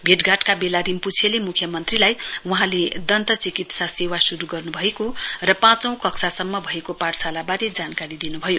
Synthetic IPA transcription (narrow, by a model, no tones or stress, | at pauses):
bʱeʈɡʱaʈkabelaɾimput͡sʰelemukʰjʌmʌnt̪rilajwuɦãled̪ʌnt̪ʌt͡sikit̪sasewasuɾuɡʌrnubʱʌekorʌpãt͡sʌ̃w̃kʌksʰasʌmːʌbʱʌekopaʈsalabaɾed͡zankaɾid̪inubʱʌjo